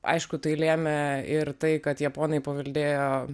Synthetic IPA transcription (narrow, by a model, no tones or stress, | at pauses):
ʔɐ̰ɪʃkʊt̪ɐɪlʲeːmʲɛɪɾt̪ɐɪkɐt̪jɛpoːnɐɪpɐʋɐlʲd̪ʲeːjoː